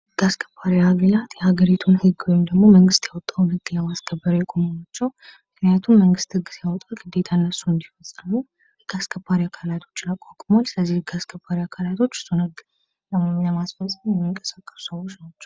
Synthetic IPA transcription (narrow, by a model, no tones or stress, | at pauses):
ɨɡ̥askʰə̥pʰːaɾiaɡəlat̪jɛhaɡəɾit̪ʰunhɨɡomd̪əɡmo̞məŋɡɨst̪jawɔt̪ʼːawnhɨɡːləmaskʰəbːəɾjɛkʼomənat͡ʃːɛwmɨknijat̪ʰumːəŋɡɨst̪hɨɡːsjawɔt̪ʼawɡɨd̪ːe̞t̪ʰanːəsːuɨnd̪ifəsʼənuw | hɨɡ̥askʰəbːaɾiakʰalat̪ʰo̞̥t͡ʃːnakʼakʼumalsɨləzːihɨɡaskʰəbʰaɾiakʰalat̪ʰo̞t͡ʃːsonəɡ | ləmaməmasfəsʼəmjɛmːiŋkʼə̥sakʼːə̥su̥səwːot͡ʃnat͡ʃːɛ̥w